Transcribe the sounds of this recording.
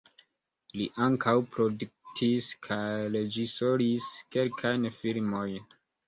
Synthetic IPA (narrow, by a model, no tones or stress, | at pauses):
liʔaŋkʰawpɾo̞duk̚tʰiskʰajɾed͡ʒiso̞ɾiske̞lkʰajnfilmo̞jn